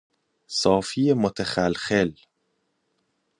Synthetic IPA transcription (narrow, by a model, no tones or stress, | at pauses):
sˤɑːfijmʊt̪axalxel